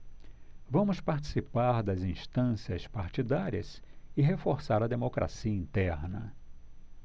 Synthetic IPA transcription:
vɐ̃mʊspaɾt͡ʃi̥sipaɾd̪ɐzĩst̪ɐ̃siɐspaɾt͡ʃid̪aɾiɐsɪɦefoɾsaɾɐd̪emokɾʔa̰siɐĩnt̪ɛɾnɐ̰

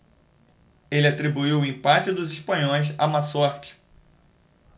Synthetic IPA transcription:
elɪat̪ɾibuiwʊĩpat͡ʃɪd̪ʊziʃpɐ̃ɲõjsa̰masɔɾt͡ʃɪ̥

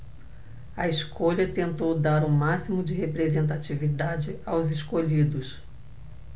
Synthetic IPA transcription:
ɐeskʰoʎɐt̪ẽnt̪owd̪aɾũmasimʊd͡ʒɪɦepɾezẽnt̪̬at͡ʃivid̪ad͡ʒɪawzɪskoʎid̪ʊs

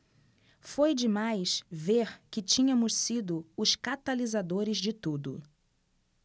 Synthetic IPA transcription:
fojd͡ʒɪmajsveɾkɪt͡ʃĩɲɐ̃mʊssid̪ʊʊskat̪alizad̪oɾɪzd͡ʒɪt̪ud̪ʊ̰

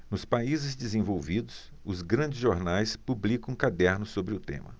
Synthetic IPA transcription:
nʊspaizɪzd͡ʒɪzẽvowvid̪ʊs | ʊzɡɾɐ̃d͡ʒɪzʒoɾnajspublikɐ̃w̃kad̪ɛɾnʊsobɾɪʊt̪ḛ̃mɐ̰

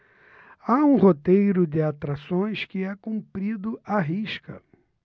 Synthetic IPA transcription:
aũɦot̪ejɾʊd̪ɪat̪ɾasõj̃skɪɛkũpɾid̪ʊaɦiʃkɐ̰

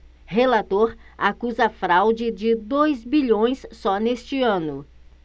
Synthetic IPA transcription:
helat̪oɾakuzɐfɾawd͡ʒɪd͡ʒɪd̪ojzbiʎõj̃sːɔnest͡ʃɪɐ̃nʊ

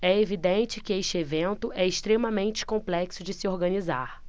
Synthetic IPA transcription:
ɛevid̪ẽnt͡ʃɪkɪeʃt͡ʃɪevẽnt̪ʊʔɛɪʃt̪ɾemɐmẽnt͡ʃɪ̥kõmplɛksʊd͡ʒɪsɪoɾɡɐ̃niza̰ɾ

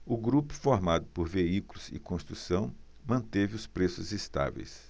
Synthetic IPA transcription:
ʊɡɾupʊ̥foɾmad̪ʊpoɾveikulʊzɪ̰kõst̪ɾusɐ̃w̃ | mɐ̃nt̪evɪʊspɾesʊzest̪a̰vḛjs

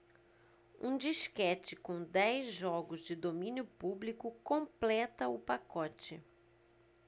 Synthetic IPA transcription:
ṵ̃d͡ʒiʃkɛt͡ʃɪkõw̃d̪ɛjzʒɔɡʊzd͡ʒɪd̪omĩnjʊpublikʊkõplɛt̪ɐʊpakɔt͡ʃɪ

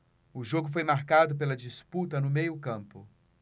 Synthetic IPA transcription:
ʊʒoɡʊf̬ojmaɾkad̪ʊp̬elɐd͡ʒisput̪ɐnʊmejʊkɐ̃mpʊ

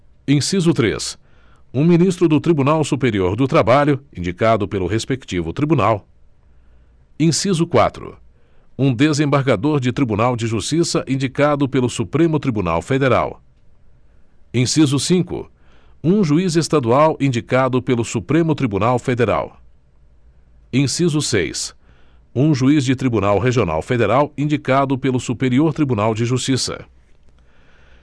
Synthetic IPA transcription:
ẽj̃sizʊt̪ɾḛs | ũminist̪ɾʊd̪ʊt̪ɾibunawsupeɾioɾd̪ʊt̪ɾabaʎʊĩnd͡ʒikad̪ʊpelʊɦespekt͡ʃivʊt̪ɾibunaw | ẽsizʊkwa̰t̪ɾʊ̰ | ũd̪ezẽbaɾɡad̪oɾd͡ʒɪt̪ɾibunawd͡ʒɪʒust͡ʃisɐʔĩnd͡ʒikad̪ʊpelʊsupɾẽmʊt̪ɾibuna̰wfed̪eɾa̰w | ẽj̃sizʊsĩkʊ̰ | ũʒuizest̪ad̪uawʔĩnd͡ʒikad̪ʊpelʊsupɾẽmʊt̪ɾibunawfed̪eɾa̰w | ẽj̃sizʊsḛjs | ũʒuizd͡ʒɪt̪ɾibunawɦeʒiona̰wfed̪eɾawĩnd͡ʒikad̪ʊpelʊsupeɾioɾt̪ɾibunawd͡ʒɪʒust͡ʃisɐ̰

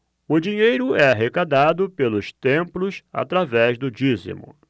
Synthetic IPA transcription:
ʊd͡ʒiɲejɾʊɛaɦekad̪ad̪ʊpelʊst̪ẽmplʊsa̰t̪ɾavɛzd̪ʊd͡ʒizḭmṵ̃

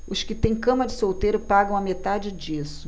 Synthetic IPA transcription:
ʊskɪt̪ẽj̃kɐ̃mɐd͡ʒɪsowt̪ejɾʊpaɡɐ̃w̃ɐmet̪ad͡ʒɪd͡ʒisʊ̥

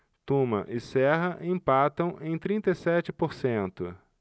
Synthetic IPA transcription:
t̪õmɐ̰ʔɪsɛɦɐʔẽpat̪ɐ̃w̃ʔẽj̃t̪ɾĩnt̪ɐisɛt͡ʃɪpoɾsẽnt̪ʊ

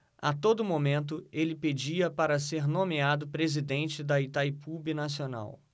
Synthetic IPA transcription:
at̪od̪ʊmõmẽnt̪̬ʊelɪped͡ʒiɐpaɾɐseɾnõmiad̪ʊpɾezid̪ẽnt͡ʃɪd̪ɐit̪ajpubɪnasiona̰w

